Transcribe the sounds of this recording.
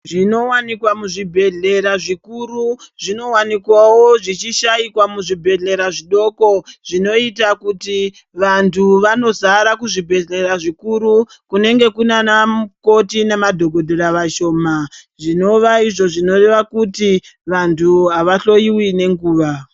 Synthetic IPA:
ʐino̞wanikwamuʐibʱe̞ɮe̞ɾaʐikuɾuʐino̞wanikwawoʐit͡ʃiʃaikwamuʐibʱe̞ɮe̞ɾaʐiɗo̞ko̞ʐino̞itakuti | ʋantʰuʋano̞zaɾakuʐibʱe̞ɮe̞ɾaʐikuɾu | kune̞ŋɡe̞kunanako̞tinemadʱo̞ɡʱo̞dʱoɾaʋaʃo̞ːmaʐino̞ʋaiʐo̞ʐino̞re̞ʋakutiʋantʰuɦaʋaɬo̞iwine̞ŋɡuːʋa

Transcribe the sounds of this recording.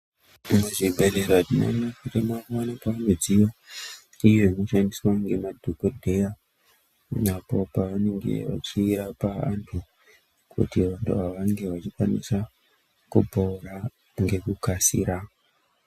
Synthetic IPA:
muʐibʱereɾatima̰nakuremakwanapaanod͡zijo | ijo̞ino̞ʃandiswaŋɡe̞madʱokodʱe̞ja | napo̞paʋane̞ŋɡe̞̰ʋa̰t͡ʃiːɾapaa̰ntʰu | kʰṵtiʋantʰuɦaʋaŋɡe̞ʋat͡ʃikwanisa | kupouɾa | ŋɡe̞kukasḭɾa

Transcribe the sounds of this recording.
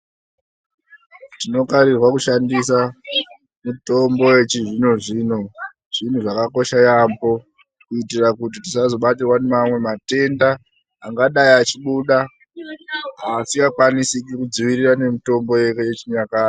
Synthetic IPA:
tino̞kaɾirwakuʃandisa | mito̞mbo̞jet͡ʃiʐinoʐiːno̞ | ʐ̥in̤uʐakako̞ʃajambo | kuitirakut̬itisazo̞ɓatirwanemamwe̞mate̞ndaː | ŋɡaɗaiat͡ʃiɓuɗa | asiŋɡakwanisik̬ikud͡ziʋirirane̞mito̞mbo̞jeket͡ʃiɲakaːi

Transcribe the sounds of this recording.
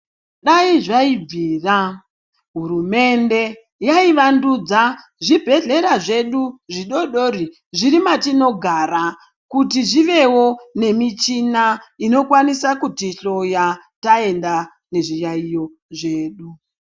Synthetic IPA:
ɗaiʐaib͡viːra | ɦuɾume̞nde̞ | jaiʋandud͡za | ʐibʱe̞ɮe̞ɾaʐe̞ɗuʐiɗo̞ɗo̞ɾi | ʐiɾimatino̞ɡʱaɾa | kutiʐiʋe̞wo̞ne̞mit͡ʃinaino̞kwanisakutiɬo̞jatae̞nda | ne̞ʐijaijo̞ | ʐe̞ːɗu

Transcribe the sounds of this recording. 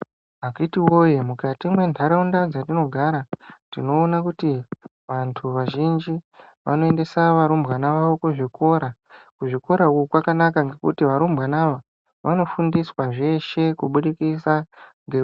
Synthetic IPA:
akitiwojemukatimwe̞ntʰaɾaundad͡zatino̞ɡʱaɾatino̞ːnakuti | ʋantʰuʋaʒind͡ʒi | ʋa̰no̞e̞nde̞saʋaɾumbɣanaʋaʋo̞kuʐikʰo̞ɾakuʐiko̞ɾaukkwakanakaŋɡe̞kutiʋaɾumbʱɣanaʋa | ʋano̞fundiswaʐe̞ʃe̞kuɓuɗikisaŋɡe

